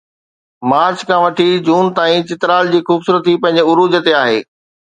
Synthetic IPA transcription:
maːɾt͡ɕkʰãʋɐʈʰid͡ʑuːnt̪aːĩt͡ɕɪt̪ɪɾaːld͡ʑiːxuːbsuːɾət̪ʰːipɐ̃ɦɪ̃ɲd͡ʑeʊɾuːd͡ʑət̪eaːɦeː

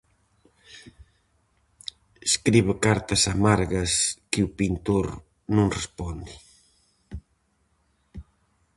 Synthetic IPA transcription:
eskɾiβekaɾt̪ɐsamaɾɣɐskɪupint̪oɾ | nũŋrespɔnd̪i

